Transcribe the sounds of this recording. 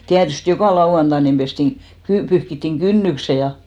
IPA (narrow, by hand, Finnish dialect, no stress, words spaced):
tiætyst jokɑˑ lɑuɑntɑ nim b̥estiŋ ɡ̊y pyhkitːiŋ ɡ̊ynːykse jɑ